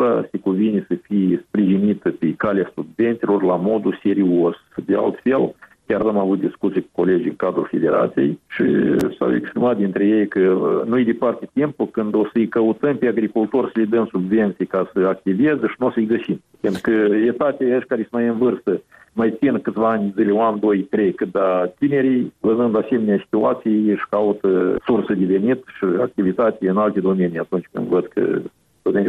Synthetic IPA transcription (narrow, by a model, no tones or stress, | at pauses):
asekuvinesəfijespɾiʒinit̪əpekaleasubve̞nt̪silo̞rlamo̞d̪use̞ɾios | d̪ea̰lt̪fe̞lkʲaramavut̪̚d̪iskut̪sijeku̥ko̞le̞d͡ʒ̪ʲiŋkad̪ɾufe̞d̪e̞ɾa̰t̪sijḛjʃḭsa̰wḛkspɾimat̪̚d̪ʲint̪ɾeje̞jkənujed̪epart̪et̪impukɨnd̪o̞səɨjkəut̪əmpeaɡɾikult̪orsəled̪ɨmsubve̞nt̪sijkasəak̚t̪ivezəʃinusəɨjɡəsim | pent̪ɾukəet̪at̪ʲaəʃkaɾesəmajɨnvɨrst̪ə | majt̪sinkɨt̪sʲvaanʲzilʲeoand̪ojk̪ɾekd̪at̪ine̞ɾijlənɨnd̪ase̞meneasi̥t̪ua̰t̪sijʃkaut̪əsursəd̪eve̞nit̪ʃia̰k̚t̪ivit̪at̪ʲeɨnalt̪ed̪o̞menijat̪unt͡ʃʲkɨ̰nd̪vəd̪̚kʰə̰ | t̪onʲe